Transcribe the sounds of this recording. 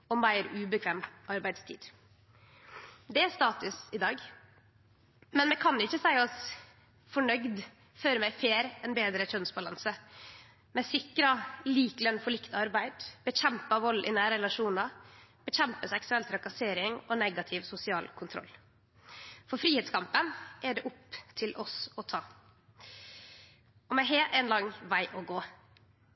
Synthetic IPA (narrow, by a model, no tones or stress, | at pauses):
ɔmæɪɾʉːbəkʰʋeːmʔɑɾbæɪd̪st̪ʰḭːd̪̥ | d̪ɛæɾst̪ɑːt̪ʉsɪd̪ɑːɡ | mɛnmɛkʰɑnɪçːəsæɪɔs | fɔɳœɡd̪ | føːɾəmæɪfeːɾɛnbeːd̪ɾətʰœnsbɑlɑ̰nsə | mɛsɪkɾɑliːklœnːfɔɭɪkt̪ɑɾbæɪd̪b̥əɕɛmpɑʋɔlːʔɪ̰næːɾɾɛlɑʂuːnɑb̥əçɛmpəsɛksʉɛlt̪ʰɾɑkɑseːɾɪŋɔnɛɡɑt̪ʰɪʋsʊsɪɑːlkʰʊnt̪ʰɾɔ̰lː | fɔɾfɾiːhɛːt̪skʰɑmpənʔɛɖɛʔʊpt̪ʰɪlʔɔsɔt̪ʰɑː | ɔmɛɦeːɛnlɑŋʋæɪʔɔɡoː